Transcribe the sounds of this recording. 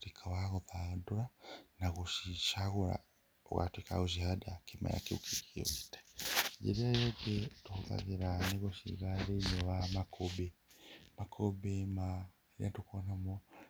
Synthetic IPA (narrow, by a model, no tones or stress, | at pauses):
tikʰawaɣoðaduɾanaɣuʃiʃaɣuɾa̰ | o̰ɣa̰twika̰ɣuʃ̬ihadakima̰ja̰kiṵkʰikio̰ɣite̥ɟḛɾiajoketuhuɡa̰ɣiɾaniɣoʃḭɣaɾejoβamakʰobemakʰobema | inatukonamo